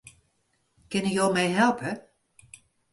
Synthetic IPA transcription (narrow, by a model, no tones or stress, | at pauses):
kɪnyjowmɛjɦɛlˠpə